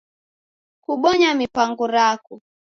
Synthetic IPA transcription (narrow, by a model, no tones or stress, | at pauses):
kuɓɔɲamipaŋɡuɾaku